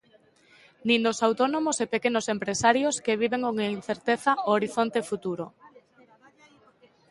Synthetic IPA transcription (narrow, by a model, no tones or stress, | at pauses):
nind̪osawt̪onomosepekenosempɾesaɾjoskeβ̞iβeŋkoŋin̟θeɾt̪eθaooɾiθont̪efut̪uɾo